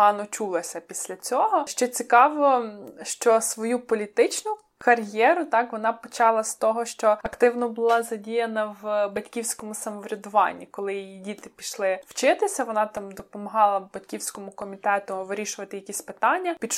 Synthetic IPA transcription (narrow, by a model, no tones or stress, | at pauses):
ɑnɔt͡ʃulˠɔsʲɐpʲisʲlʲɐt͡sʲɔɦɔʃt͡ʃɔt͡sʲikɑʋɔʃt͡ʃɔsʋɔjupɔlʲit̪ɪt͡ʃnʊ | kɐrjɛɾʊt̪ɑkʋɔnɑpɔt͡ʃɑlˠɐst̪ɔɦɔʃt͡ʃɔɐkt̪ɪwnɔbʊlˠɑzɐdʲijɐnɐwbɐtʲkʲiwsʲkɔmʊsɐmɔʋɾʲɐd̪ʊʋɑ̰nʲːikɔlˠɪjijidʲit̪ɪpʲiʃlˠɪw̥t͡ʃɪt̪ɪsʲɐʋɔnɑt̪ɑmd̪ɔpɔmɔɦɑlˠɐbɐtʲkʲiwsʲkɔmʊkɔmʲit̪ɛt̪ʊʋɪɾʲiʃʊʋɐt̪ɪjɐkʲisʲpɪt̪ɑnʲːɐpʲid̪